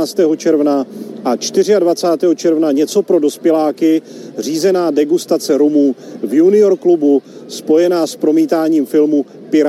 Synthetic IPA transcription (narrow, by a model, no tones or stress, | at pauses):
t͡st̪ɛːɦo̞t͡ʃɛɾvnaʔat͡ʃt̪ɪrɪadvat͡saːt̪ɛːɦot͡ʃɛɾvnaɲɛt͡so̞pɾo̞do̞spjɛlaːkɪ | r̝iːzɛnaːdɛɡust̪at͡sɛɾumuːvjunɪo̞ɾklubuspo̞jɛnaːspɾo̞miːt̪aːɲiːmfɪlmu | pɪɾ